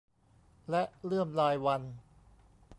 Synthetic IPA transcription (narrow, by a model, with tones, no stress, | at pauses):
lɛ˦˥ʔɾɯ˥˩əmlaː˧jwa˧n